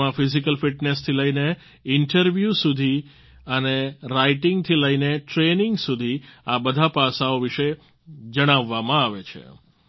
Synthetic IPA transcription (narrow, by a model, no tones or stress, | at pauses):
ãfizikəlfiʈnest̪ʰiləine | ɪɳʈəɾʋjusud̪ʱi | əneɾaiʈiŋɡt̪ʰiləineʈɾenɪŋɡsud̪ʱiabəd̪ʱapasaoʋiʃe | d͡ʒəɽ̃aʋːamãaʋet͡ʃʰḛ